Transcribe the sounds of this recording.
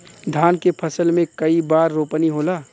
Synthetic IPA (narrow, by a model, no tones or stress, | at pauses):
d̪ʱaːnkepʰəsəlmẽkɐibaːɾːoːpəniɦoːlaː